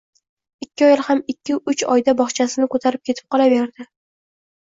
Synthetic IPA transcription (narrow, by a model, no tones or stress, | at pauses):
ɪkʲːɪɒjɪlˠhamɪkʲʰːɪʊt͡ʃɒ̰jd̪abɒχt͡ʃʰasɪnɪkʰot̪ʰaɾɪp̚kʲʰe̞t̪ʰɪ̥p̚qʰɒlˠave̞ɾd̪ɪ